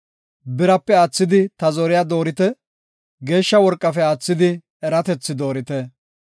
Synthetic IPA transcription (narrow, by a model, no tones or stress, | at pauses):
bɪɾɐpːɛaːt͡sːɪd̪ɪt̪ɐzɔɾɪjaːd̪o̞ːɾɪt̪ɛ | ɡe̞ːʃːɐwɔɾkʼːɐfɛaːt͡sːɪd̪ɪ | ɛɾɐt̪ɛt͡sːɪd̪o̞ːɾɪt̪ɛ